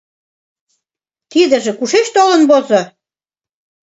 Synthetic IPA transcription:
t̪id̪ə̆ʒĕkuʃeʃt̪olə̆nβozo

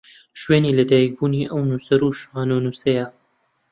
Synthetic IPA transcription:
ʃweːniːlɐd̪aːjɛk̚buːniʔɐwnusɐɾuːʃʁaːnonusɐjɐ

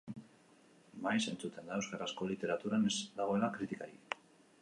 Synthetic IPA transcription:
majse̞nt͡sut̪e̞nd̪aewskaɾasko̞lit̪e̞ɾat̪uɾanezd̪aɣo̞e̞lakɾit̪ikaɾi

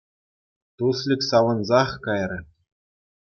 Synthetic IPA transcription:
t̪uslʲikʲsɑʋɤ̆nzɑχkɑjrʲɘ̆

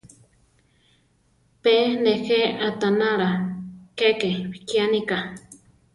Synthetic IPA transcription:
penexeʔat̪anãɾakekepi̥kianĩka

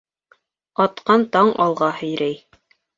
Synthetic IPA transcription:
ɑt̪qɑnt̪ɑɴɑlˠʁɑhɘ̆jɾæj

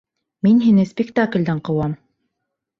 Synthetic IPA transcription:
minɦinɘspʲɪkt̪aklʲd̪æɴqɤ̆wɑm

